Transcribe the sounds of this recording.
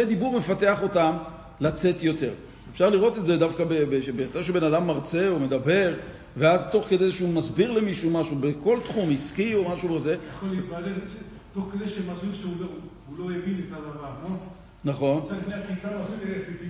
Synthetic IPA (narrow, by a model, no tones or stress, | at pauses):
ed̪ibuʁme̞fat̪e̞aχo̞tam | lat͡se̞t̪jo̞t̪e̞̰ʁ | efʃaʁliʁo̞t̪etzed̪afkabebeʃebeχaʃ̬ebe̞nadamːaʁt͡se̞omed̪abe̞ʁ | veazt̪o̞χke̞d̪ejzʃeumazbiʁle̞miʃumaʃubeko̞lt̪χumiskio̞maʃubazejaχoleit̪balel | t̪oχked̪ejʃemaziʃeulou | ulo̞jevinetanavaamon | naχo̞nafneakitamazuleetiti